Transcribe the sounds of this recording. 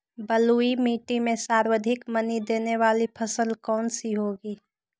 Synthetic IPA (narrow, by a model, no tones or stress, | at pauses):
bəluːimiːʈimẽsaːɾwəd̪ʱɪkmɐnid̪eːneʋaːlipʰɐsəlkɔːnsiɦoːɡiː